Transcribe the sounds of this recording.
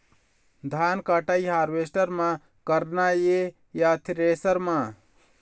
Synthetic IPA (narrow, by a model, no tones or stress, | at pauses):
d̪ʱaːnkaʈaiɦaːɾʋesʈəɾmã | kəɾnaje | jat̪ʰɾeːsəɾmã